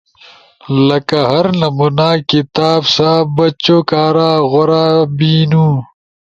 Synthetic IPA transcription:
lɐkɐɦɐɾnɐmunaːkit̪aːbsaːbɐt͡ɕoːkaːɾaːɣoɾaːbiːnuː

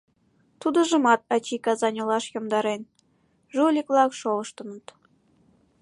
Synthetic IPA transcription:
t̪ud̪ə̆ʒə̆mɑt̪̚ɑt͡ɕikɑzɑnʲɤlɑʃjomd̪ɑɾen | ʒulʲiklˠɑkʃolɤ̆ʃt̪ɤ̆nət̪

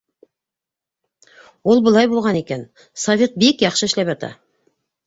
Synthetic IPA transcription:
wo̞lˠbəlˠɑjbolˠʁɑne̞kʲe̞n | savʲet̪̚bekjɑχʃəɪʃlepʒɑt̪ɑ̰

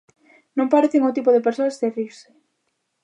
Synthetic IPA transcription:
nõŋpaɾeθɪŋot̪̬ipoðepeɾsoɐsθeriɾse̥

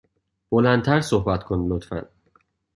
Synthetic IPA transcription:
b̥olænd̪t̪ʰæɾsohbæt̪kʰonlot̪fæ̰n

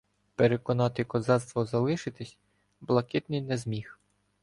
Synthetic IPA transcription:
peɾekɔnɑt̪ɪkɔzɑt̪st̪ʋɔzɐlˠɪʃɪt̪ɪsʲ | blˠɐkɪt̪nɪjnɛzmʲix

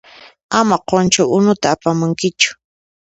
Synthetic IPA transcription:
amaqont͡ʃʊʔʊnʊt̪aːpamʊŋkɪt͡ʃʊ̥

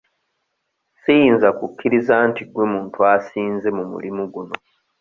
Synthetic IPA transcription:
sijiːnzakukʰːiɾizaːntiɡwe̞muːntuasiːnze̞mumṵlimuɡuno̞

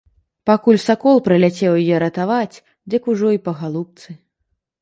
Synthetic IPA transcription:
pakulʲsakɔlˠpɾɨlʲat͡sʲɛwjajɛɾɐt̪avat͡sʲ | d͡zʲɐkuʐɔipɐɣalˠup̚t̪sɨ

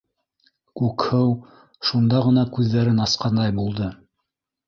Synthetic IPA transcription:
kʉkhɘw | ʃund̪ɑʁɤ̆nɑkʉðːæɾɘnɑsqɑnd̪ɑjbulˠd̪ɤ

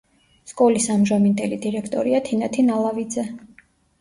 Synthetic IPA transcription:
skʼɔlisamʒamind̪ɛlid̪iɾɛkʰt̪ʼɔɾiat̪ʰinat̪ʰinalˠavid̪zɛ

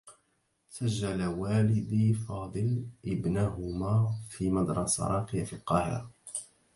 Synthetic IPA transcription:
saʒːalawaːlɪd̪iːfɑːd̪ˤɨlʔɪbnaɦʊmaːfiːmɑd̪ɾˤɑsa̰ɾˤɑːqɪjafilqɑːhɪ̰ɾˤɑ

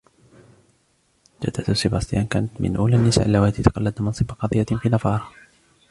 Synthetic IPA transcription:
d͡ʒa̰d̪ːat̪sɪbast̪ˤjankaːnat̪mɪ̰nʔuːlaːnːɪsa̰ʔalːawaːt̪it̪ḁqɑlːad̪mɑnsˤɨbaqɑðˤɨjːafiːnɑfɑːɾˤɑ

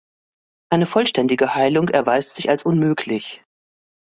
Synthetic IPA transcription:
ʔaɪnəfɔlʃtɛndɪɡəhaɪlʊŋɛɐvaɪstz̥ɪçalsʔʊnmøːkʰlɪç

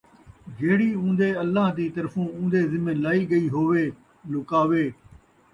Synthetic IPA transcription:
d͡ʒʱeːɽiːũːnd̪eːəlːaːɦd̪iːt̪əɾfũːũːnd̪eːzɪmẽlaːiːɡəiːɦoːʋeː | lʊkaːʋeː

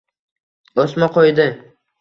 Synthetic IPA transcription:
osmaqʰojd̪ɪ

